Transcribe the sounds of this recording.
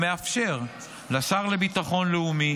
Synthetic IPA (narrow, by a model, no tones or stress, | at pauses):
me̞afʃe̞ʁ | lasaʁlebit̪aχo̞nleumi